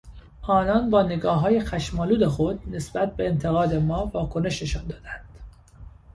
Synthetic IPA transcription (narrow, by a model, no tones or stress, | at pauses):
ɒːnɒnbɒːneɡɒːɦɒːjexæʃmɒːluːd̪e̞xo̞d̪ne̞sb̥æt̪̚be̞ːnt̪ʰe̞ɣɒːd̪e̞mɒːvɒːkʰone̞ʃneʃɒnd̪ɒːd̪ænd̪̥